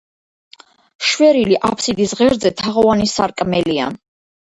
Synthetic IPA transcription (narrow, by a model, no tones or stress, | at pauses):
ʃwɛɾiliʔapʰsid̪isʁɛɾd̪zɛt̪ʰaʁɔanisaɾkʼmɛlia̰